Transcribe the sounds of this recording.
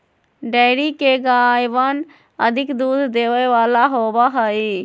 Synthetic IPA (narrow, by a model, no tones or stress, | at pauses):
ɖəɪɾikeɡajbən | əd̪ʱikd̪ud̪ʱd̪eʋəʋalaɦobəɦəj